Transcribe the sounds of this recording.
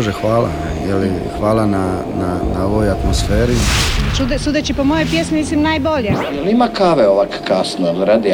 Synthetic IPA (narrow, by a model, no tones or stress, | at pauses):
ʒexʋaːla̰n | jeli | xʋaːlana | nanaoʋojat̪mosfeːɾit͡ʃud̪esud̪et͡ʃipomojojpjesmimislimnaːjboʎejelimakaːʋeoʋakkaːsnoelɾad̪i